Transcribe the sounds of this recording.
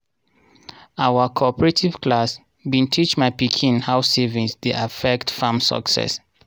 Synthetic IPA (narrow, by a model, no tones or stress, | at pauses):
awəkʰɔpəɹetʰiv̥kʰlas | bĩntʰit͡ʃmaɪpikʰĩnhaʊsevĩŋsdeʔafɛktfamsə̰ksɛ̰s